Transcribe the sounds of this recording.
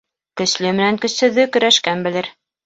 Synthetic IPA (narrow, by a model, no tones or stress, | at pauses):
kɵ̆slɵmɘ̆næŋkɵ̆sɵ̆ðːɵkɵ̆ɾæʃkænbɘ̆lɘɾ